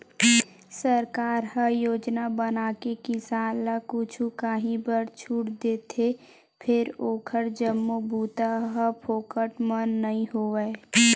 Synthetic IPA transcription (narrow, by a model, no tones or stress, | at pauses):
səɾkaːɾɦəjoːd͡ʒnabənaːkekisaːlakʊt͡ʃʰukaɦĩbəɾt͡ʃʰuːʈd̪eːt̪ʰe | pʰɪɾoːkʰəɾd͡ʒəmːobʱuːt̪aɦəpʰoːkəʈmənːəɦĩɦoːʋɛ